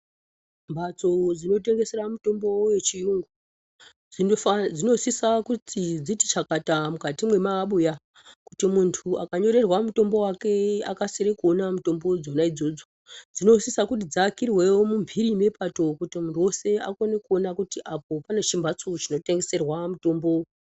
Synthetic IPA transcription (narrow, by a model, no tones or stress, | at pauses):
mbʱat͡sod͡zino̞t̬e̞ŋɡe̞se̞ɾamuto̞mbo̞we̞t͡ʃiruŋɡu | id͡zino̞sisakutʰid͡ziti̥t͡ʃakatamukatimwe̞maɓuja | kutimuntʰuʔa̰kaɲo̞ɾerwamuto̞mbo̞wake̞a̰kasiɾekuo̞namuto̞mbo̞d͡zonaid͡zo̞d͡zo̞ | d͡zino̞sisakut̬id͡zakirwewomumbʱiɾime̞pʰato̞kutimuntʰuwo̞se̞a̰ko̞ne̞kuo̞nakutiʔap̚o̞pane̞t͡ʃimbat͡so̞t͡ʃino̞te̞ŋɡe̞se̞rwamuto̞ːmbo̞